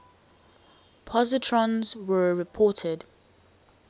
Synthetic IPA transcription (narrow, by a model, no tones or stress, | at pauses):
pʰɔzɪtʰɹɔ̃nzwəɹɪpʰɔˑtʰɪd